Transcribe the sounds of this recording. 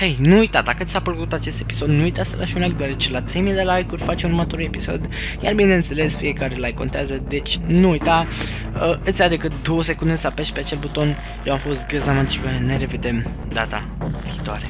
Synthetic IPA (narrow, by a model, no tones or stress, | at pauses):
hejnuːujt̪ad̪akət̪sʲapəlkut̪at͡ʃe̞st̪e̞pi̥so̞d̪nuujt̪asə̰lʔaʃiunlajkd̪oaɾet͡ʃe̞lat̪ɾe̞jmid̪elajkurʲfat͡ʃmurmət̪o̞ɾule̞piso̞̰d̪ | jarbineɨnt̪se̞le̞sfije̞kaɾelajko̞nt̪eazəd̪e̞t͡ʃʲnuːjt̪a | əɨt̪sjad̪e̞kɨt̪̚d̪o̞wəse̞kund̪esapeʃt̪peat͡ʃe̞lbut̪o̞n | jewamfo̞st̪̚ɡəzamat̪t͡ʃi̥kəneɾe̞ved̪e̞m | d̪at̪a̰ | viːt̪oa̰ɾe̞